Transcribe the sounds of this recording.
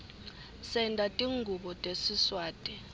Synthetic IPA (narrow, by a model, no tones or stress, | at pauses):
sɛndʼatʼiŋɡʱuɓɔtʼesiswaːtʼi